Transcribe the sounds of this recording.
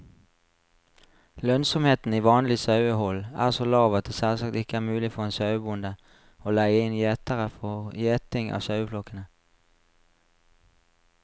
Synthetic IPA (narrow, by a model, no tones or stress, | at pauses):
lœnsɔmheːt̪n̩iːʋɑːnlɪsɑʉəhɔlʔæːʁsoːlɑːʋɑt̪̚d̪eːsɛlsɑk̚t̪ɪkəæːʁmʉːlɪfɔʁeːnsɑʉbʊnd̪ə | oːlæɪəɪnjeːt̪əʁəfɔʁjeːt̪ɪŋʔɑ̰ːʋsɑʉflɔkənə